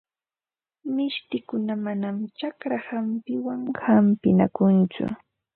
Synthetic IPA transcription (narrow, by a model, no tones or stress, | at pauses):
mɪʃt̪ɪkʊnamanamt͡ʃakɾahampɪwaŋhampɪna̰kʊnt͡sʊ̰